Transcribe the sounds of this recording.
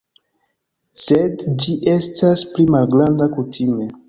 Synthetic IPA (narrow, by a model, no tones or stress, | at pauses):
sedd͡ʒiʔe̞stasplimalɡɾandakutʰime̞